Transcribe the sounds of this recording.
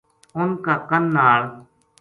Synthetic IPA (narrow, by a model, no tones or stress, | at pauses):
ʊnkaːkənːaːɭ